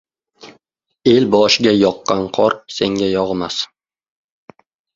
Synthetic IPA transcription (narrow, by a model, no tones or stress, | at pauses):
e̞lbɒʃɪɡʲajɒqːɑnqʰɒɾse̞ŋɡʲajɒʁmas